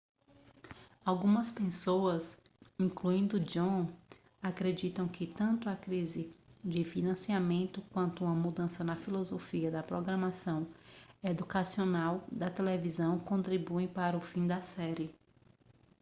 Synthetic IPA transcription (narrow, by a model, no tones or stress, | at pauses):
awɡũmɐspẽsoɐz | ĩkluĩnd̪ʊd͡ʒõ | akɾed͡ʒit̪ɐ̃w̃kɪt̪ɐ̃nt̪ʊɐkɾizɪd͡ʒɪfinɐ̃siamẽnt̪ʊkwɐ̃nt̪ʊumɐmud̪ɐ̃sɐnɐfilozofiɐd̪ɐpɾoɡɾɐ̃masɐ̃w̃ed̪ukasionawd̪ɐt̪elevizɐ̃w̃kõnt̪ɾibuẽpaɾɐʊfĩd̪ɐsɛɾɪ